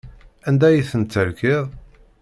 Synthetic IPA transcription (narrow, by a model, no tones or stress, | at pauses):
ænd̪æjiθənt͡s̪ːəɾkɪðˤ